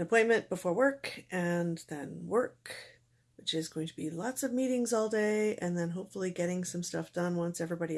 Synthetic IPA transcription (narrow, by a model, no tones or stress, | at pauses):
ɨnɨpʰɔ̃ɪ̃nmɨ̃nb̥əfɔɹwɜ˞kʔɨ̃nðɨ̃nwɜ˞k | wɨt͡ʃɪzɡoʊɪ̃ŋtʰəbilɑtsʌvmiɾɪ̃ŋzɔlˠdeɪʔɨ̃nðɨ̃nɦoʊpfl̩ˠiɡɛɾɪ̃ŋsʌ̃mstʌfd̥ʌ̃nwʌ̃nsɛvɹibɑɾi